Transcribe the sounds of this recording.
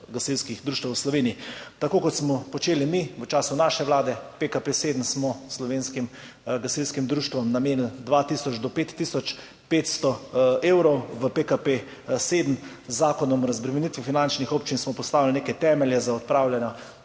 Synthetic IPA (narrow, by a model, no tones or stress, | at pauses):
ɡasiwskixd̪ɾuːʃt̪wəslɔʋeːniit̪akoːkɔt̪smɔpɔt͡ʃeːlimiʋət͡ʃaːsunaːʃɛʋlaːd̪ɛpekapeseːd̪m̩smɔslɔʋeːnskim | ɡasilskimd̪ɾuːʃt̪ʋɔmnameːnld̪ʋat̪isɔt͡ʃd̪ɔpeːt̪ːisɔt͡ʃ | peːt̪st̪ɔeːwɾɔwʋəpekape | seːd̪m̩ | zːaːkɔnɔmɾɐzbɾɛmɛnit̪ʋifinant͡ʃnixoːpt͡ʃinsmɔpɔst̪aːʋilneːkɛt̪ɛːmɛljɛzaɔt̪̚pɾawlʲjanɔ